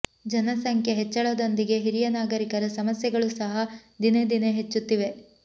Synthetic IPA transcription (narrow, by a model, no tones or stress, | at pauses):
d͡ʒɐnɐsɐŋkʰjeɦet͡ʃːɐɭod̪o̞nd̪iɡe̞ɦiɾijɐnaːɡɐɾikɐɾɐsɐmɐsjɐɡɐɭusɐɦɐd̪ined̪ineɦet͡ʃːut̪ːiʋe̞